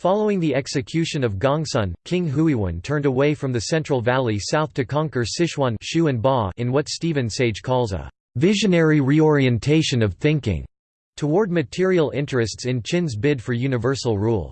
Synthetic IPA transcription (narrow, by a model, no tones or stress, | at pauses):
fɑlˠoʊɪ̃ŋðiʔɛksɨkʰj̥ʉʃɨ̃nʌvɡɑ̃ŋsʌ̃nkʰɪ̃ŋɦuiwə̰̃ntʰɜ̃˞ndəweɪfɹʌ̃mðɨsɛ̃nt͡ʃɹ̥l̩ˠvælˠisaʊθtʰɨkʰɑ̃ŋkə˞sɪʃwɑ̃nʃʉɨ̃nbɔɨ̃nwʌtstivɨ̃nseɪ̥ʒ̥kʰɔlˠzə̰ | vɪʒɨ̃nɛɹiɹiɔɹiɨ̃ntʰeɪʃɨ̃nʌv̥θɪ̃ŋkɪ̰̃ŋ | tʰəwɔɹd̚mɨtʰɪɹil̩ˠɪ̃nt͡ʃɹ̥ɨstsɨ̃nt͡ʃʰɪ̃nzbɪdfə˞jʉnɨvɜ˞sl̩ˠɹṵlˠ